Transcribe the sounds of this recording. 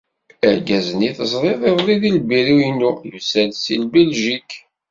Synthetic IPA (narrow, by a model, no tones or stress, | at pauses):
æɾɡæzniθəzˤɾˤeðˤeðˤlˤiðilbiɾiinːujusælsilbɛlʒik